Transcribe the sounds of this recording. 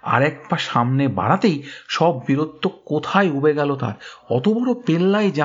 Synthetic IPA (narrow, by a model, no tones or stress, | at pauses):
a̰ɾɛk̚paʃamneba̰ɽat̪ejʃɔbːiɾod̪ːokot̪ʰajubeɡɛlot̪a̰ɾɔt̪obɔɽopelːajd͡ʑa